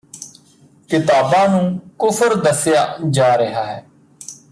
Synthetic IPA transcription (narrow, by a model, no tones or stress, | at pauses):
kɪt̪aːbãːnũːkʊpʰəɾd̪əsɪjaːd͡ʒaːɾəɦaːɦɛː